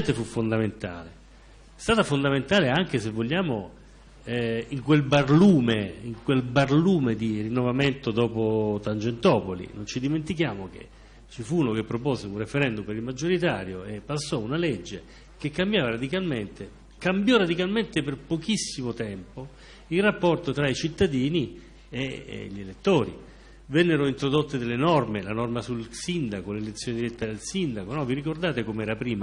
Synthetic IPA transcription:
nt̪efufːond̪ament̪a̰ːle | st̪aːt̪afond̪ament̪aːleaŋk̟esevːoʎːaːmo | iŋkwelbarluːmeiŋkwelbarluːmed̪irinːovament̪od̪ɔːpot̪ant͡ʃent̪ɔːpolḭnont͡ʃid̪iment̪ik̬jaːmok̟ḛ | t͡ʃifunokepːɾopoːzeunrefeɾɛnd̪umpeɾilmad͡ʒːoɾit̪aːɾjoepːasːɔunaled͡ʒːe | kekːambjaːvaɾad̪ikalment̪e | kambjɔɾad̪ikalment̪eperpokisːimot̪ɛmpo | ilrapːɔrt̪ot̪ɾait͡ʃit̪ːad̪iːni | ḛʎːelet̪ːoːɾḭ | vɛnːeɾoint̪ɾod̪ot̪ːed̪elːenɔrmelanɔrmasulsind̪akolelet̪sːjoned̪iɾɛt̪ːad̪elsind̪akonɔviɾikord̪aːt̪ekomeɛːɾapɾiːma

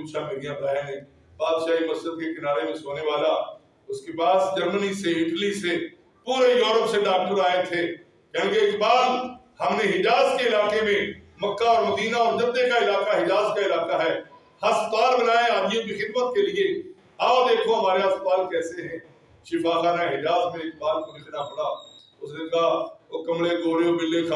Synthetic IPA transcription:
uːt͡ʃʰameːɾijãbɐnaːeɦɛ̃ː | baːd̪ʃaːɦimɐsɾəd̪̚kekɪnaːɾemẽsoːneʋaːla | ʊskepaːsd͡ʒɐɾməniseɪʈlise | puːɾejuːɾəpseɖaːk̚ʈəɾaːet̪ʰe | kõːkeɪkbaːd̪ | hɐmneɦɪd͡ʒaːzkeɪlaːkemẽməkːaɔːɾməd̪iːnaɔːɾd͡ʒəd̪ːekaɪlaːkaɦɪd͡ʒaːzkaɪlaːkaɦɛː | hɐst̪aːlbənaːeaːd̪ijõkixɪd̪mət̪̚kelɪe | aːd̪eːkʰoɦɐmaːɾeəsbaːlkɛːseɦɛ̃ː | ʃɪfʰaːxaːnaɦɪd͡ʒaːzmẽɪk̚baːlkonɪknaəpnaː | ʊsd͡ʒɪ̃ɡ̪aːkɐmɽeɡoːɽejoːbɪlːekʰa

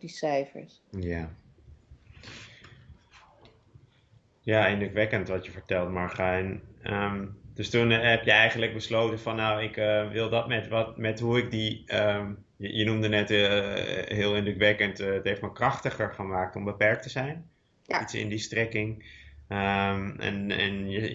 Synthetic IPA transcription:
disɛjfə̰ɹs | jaː | jaːɪndrəkʋɛkəntʋɑtjəvəɹtɛlˠtmɑɹχaɛnəmd̥ɵstunɦɛpjəɛjχəndləɡ̚bəslowtənvɑnːawɪkəʋɪlˠdɑtmɛtʋɑtmɛtɦuɪk̚diəm | jəjənumdənɛt | ɦɪːlˠɪndəkʋɛkəntətɦejftmakrɑχtəχəɹχənmaːk̚tɔmbəpɛɹk̚təzɛjn | itsɪ̰ndistrɛkɪŋəmɛ̰nɛ̰njə

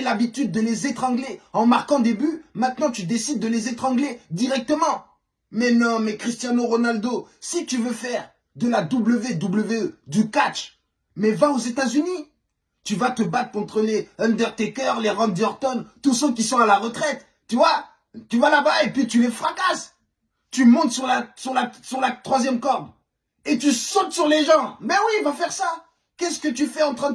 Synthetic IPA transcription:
elabit̪yd̪̚ːəlezet̪χɑ̃ɡleɑ̃maʁkɑ̃d̪ebymɛ̃t̪nɑ̃t̪yd̪esid̪ːəlezet̪χɑ̃ɡled̪iʁɛk̚t̪əmɑ̃ | mɛnɔ̃mɛkχist̪jãnoʁɔnald̪osit̪yvøfɛʁ | d̪əlad̪ubləved̪ubləveød̪ykat͡ʃ | mɛvaozet̪azyni | t̪yvat̪əbat̪χəkɔ̃t̪χəleɔ̃nd̪ɛʁt̪ekʲœʁleʁɑ̃d̚d̪ɔʁt̪ɔnt̪usək̬ʲisɔ̃alaʁət̪χɛt̪ːyvwa | t̪yvalabaepɥit̪ylefχakas | t̪ymɔ̃t̪syʁlasyʁlasyʁlat̪χwazjɛmkɔʁb | et̪ysɔt̪syʁleʒɑ̃mɛwivafɛʁsa | kʲɛskət̪̬yfɛɑ̃t̪χɛ̃d̪

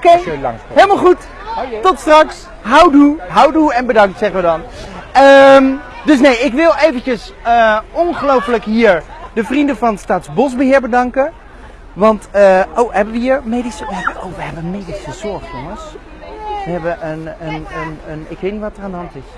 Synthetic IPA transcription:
okejŋɦeləmalˠχut | tɔtstrɑks | ɦawduɦawduɛnbədɑŋk̚tsɛχənʋədɑnəm | dɵs̬nejɪkʋɪlˠejvəncəs | əɔnχəlowfələkɦiːɹdəvrindəvɑnətstaːtzbɔsbəɦɪːɹbədɑŋkə | ʋɑntəʔowɦɛbəʋəɦiːɹmejdisəɔəo̰wʋəɦɛbənmejdisəzɔɹχjoŋəs | ʋəɦɛbəʔənənənənɪkʋejtnitʋɑtəraːndəɦɑntɪs

